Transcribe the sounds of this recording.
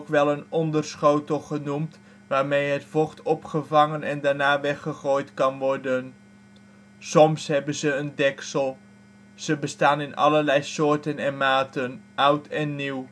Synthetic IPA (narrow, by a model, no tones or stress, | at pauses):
kʋɛlˠənɔndərsχowtəlˠχənumt | ʋaːɹmejɦətfɔχtɔpχəvɑŋənɛndaːɹnaːʋɛχəχoːjtkɑnʋɔɹdən | sɔmsɦɛbənzəːndɛksəlˠ | z̥əbəstaːnɪnɑ̰ləɹlɛjsʊːɹtənɛnmaːtənʔʌwtɛnːiw